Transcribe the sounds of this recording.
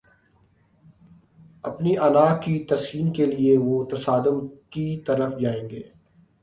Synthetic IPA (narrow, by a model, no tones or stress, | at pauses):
ɐpniʔɐlaːkit̪ɐsiːnkelieʋot̪ɐsaːd̪ʊmkit̪ɐɾəfd͡ʒaːẽːŋɡḛː